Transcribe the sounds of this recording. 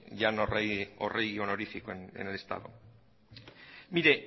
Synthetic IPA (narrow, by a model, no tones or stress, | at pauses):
ʝanoreo̰rejionoɾifikoenḛnelest̪a̰ðo̰ | miɾe